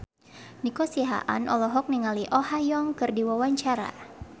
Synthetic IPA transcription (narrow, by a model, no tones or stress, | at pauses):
nikɔsiɦa̰ʔa̰nʔɔ̰lɔɦɔk̚niŋaliʔɔhajɔŋkɨrdiwawaɲt͡ʃaɾa̰